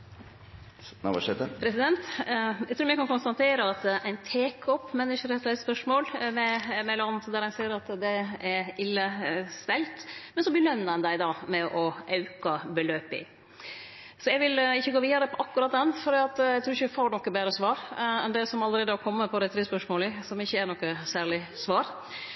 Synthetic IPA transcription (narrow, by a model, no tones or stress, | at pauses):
n̰ʋɑ̰ʂɛt̪əpʰɾɛsɪd̪ɛnt̪æɪt̪ʰɾuːmɛɪkʰɑnkʊnst̪ɑnt̪ʰeːɾəɑt̪æɪnt̪ʰeːkʰɔpːmɛnːɪʂəɾɛt̪læɪspœʂmoːlmɛmɛlɑnət̪d̪æɾhæɪnsiːəɾɑt̪d̪ɛæɾɪlːəst̪ɛlt̪mɛnsɔb̪ɪlœnːəɛnd̪æɪd̪ɑːmɛʔɔʔɑʉkɑbəløːpɪ̰ | sɔjæɡʋɪlɪçːəɡoːʋiːd̪əɾəpʰɔʔɑkːʉɾɑt̪̚d̪ɛnːfɔɾd̪iːɑt̪æt̪ʰɾʉːɾɪçəʋfoːɳɔkːəbeːɾəsʋɑːɾɛnd̪ɛsɔmɑləɾeːd̪əɔkʰɔmːəpʰɔɾɛt̪ɾɪspœʂmoːlɪsɔmɪçːəæɳɔkːəsæːɭɪsʋɑːɾ